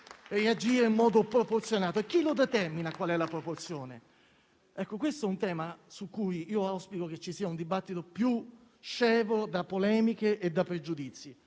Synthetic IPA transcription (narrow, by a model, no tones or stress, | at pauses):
read͡ʒiːɾeimmɔːd̪opɾoport̪sjonaːt̪oekːilod̪ɛt̪ɛrminakwalɛlːapɾoport̪sjoːne | ɛkːokwest̪oɛunt̪ɛːmasukːujiːoaspikok̟et͡ʃːisiːaund̪ibat̪ːit̪opju | t͡ʃːɛːvod̪apːolɛːmikeʔed̪ːapːɾed͡ʒud̪it̪sːi